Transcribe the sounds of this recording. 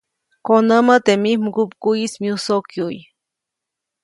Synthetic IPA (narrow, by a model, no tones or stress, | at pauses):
konəmət̪emimkupkuismiusokjuj